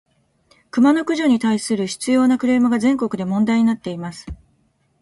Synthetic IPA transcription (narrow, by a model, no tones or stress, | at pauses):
kɯ̟mano̞kɯ̟ʑo̞ɲ̟it̪aisɨɾɯ̟çi̥t͡sɨjo̞ːnakɯ̟ɾe̞ːmɯɡazẽ̞ŋko̞kɯ̟d̪e̞mõ̞nd̪aiɲ̟inat̪ːe̞imasɨ̥